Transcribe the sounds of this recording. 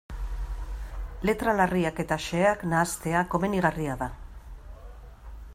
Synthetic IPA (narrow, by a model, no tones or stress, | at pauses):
le̞t̪ɾalariake̞t̪aʃe̞aknaːst̪e̞ako̞me̞niɣariaða